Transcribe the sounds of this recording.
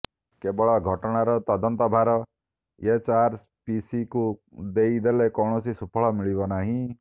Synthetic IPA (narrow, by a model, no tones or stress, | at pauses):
kebɔɭɔɡʱɔʈɔɽ̃aɾɔt̪ɔd̪ɔnt̪ɔbʱaɾɔ | et͡ʃaɾs | pisikud̪eid̪elekɔɳ̃ɔsisupʰɔɭɔmiɭibɔnaɦĩ